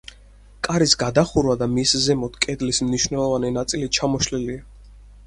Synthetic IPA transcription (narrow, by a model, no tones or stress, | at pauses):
kʼaɾisɡad̪aχuɾvad̪amiszɛmɔt̪ʰkʼɛd̪lismniʃwnɛlˠɔvaninat̪sʼilit̪̚t͡ʃʰamɔʃlilia